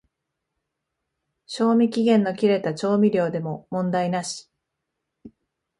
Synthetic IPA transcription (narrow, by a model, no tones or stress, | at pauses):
ɕo̞ːmʲikʲiɡẽ̞nːo̞kʲiɾe̞t̪at͡ɕo̞ːmʲiɾʲo̞ːd̪e̞mo̞mõ̞nd̪ainaɕi̥